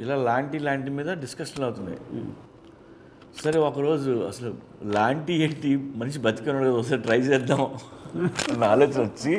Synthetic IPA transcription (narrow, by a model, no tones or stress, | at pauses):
ilaːlaːɳʈiːlaːɳʈiːmiːd̪ɐɖiskɐʂɐnɐwut̪und̪ḭ | sɐɾe̞ɔkɐɾo̞ːd͡ʒuɐ̰sɐlu | laːɳʈieːʈimɐniʃ̬ibɐt̪i̥kɐnɐɽɐɡɐːd̪ɐs̬ɐʈɾɐjt͡ʃeːɾd̪ːaːm | ɐnaːloːt͡ʃinʋɐt͡ʃːi